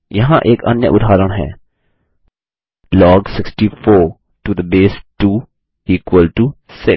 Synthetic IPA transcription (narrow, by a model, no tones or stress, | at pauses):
jɐɦãʔeːkɐ̰njə̰ʔʊd̪ʱaːɾəɽ̃ɦɛ̰ː | lɔːɡsɪksʈifoː | ʈud̪əbeːsʈuː | iːkwəlʈusɪk